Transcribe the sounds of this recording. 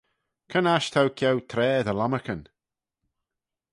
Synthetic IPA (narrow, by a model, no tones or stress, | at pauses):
kʰənaʃt̪ʰawkʰjɛwt̪ʰɾɛːðəlaməkən